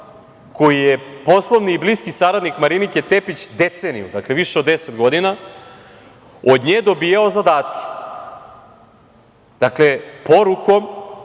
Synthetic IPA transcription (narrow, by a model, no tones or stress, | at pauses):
ko̞jijepo̞slˠo̞ʋniːbliskisaɾad̪nikmaɾiniket̪epit͡ɕd̪et̪senḭṵd̪akle̞ʋiʃeod̪ːeset̪ɡo̞d̪ina | od̪ɲeːd̪o̞biːjao̞zad̪aːt̪kʰʲe̥ | d̪̥akle̞po̞ɾuko̞m